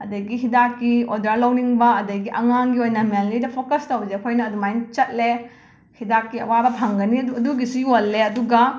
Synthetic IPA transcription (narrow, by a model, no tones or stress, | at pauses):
ɐdɐɡiɦidakːiodɾalɐwniŋbɐɐdɐjɡiʔɐŋaŋɡiojnɐmenlidɐpʰokɐstɐwd͡ʒepʰojnɐːdumajnt͡ʃɐt̚le | hidakːiɐ̰wabɐpʰɐŋɡɐniɐduɐduɡisujolːeɐduɡɐ